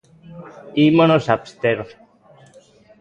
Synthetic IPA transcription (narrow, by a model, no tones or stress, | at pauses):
imonosapst̪eɾo